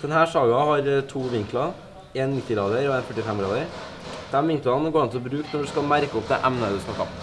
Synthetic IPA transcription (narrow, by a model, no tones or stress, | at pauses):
d̪̥ɛnhæːʂɑːɡɑhɑɾt̪ʰuːʋɪŋklɑ | eːnmɪt̪ːɪɡɾɑːd̪əɾɔenfœʈːɪfɛmɡɾɑ̰ːd̪əɾ | d̪̥ɛmʋɪŋklɑnɡoːɾɪnt̪ʰɪlɔbɾʉːknɔɖʉskɑlmæɾkəɔmd̪ɛ̰ʔæmnəd̪ʉsk̪nɑkːɑ̰